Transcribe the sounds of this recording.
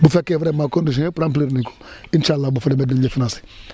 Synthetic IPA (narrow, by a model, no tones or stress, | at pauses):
bufekevɾemakonuʃiepɾampliɾniko̥inʃalːabufeɾemedid͡ʒefinasi̥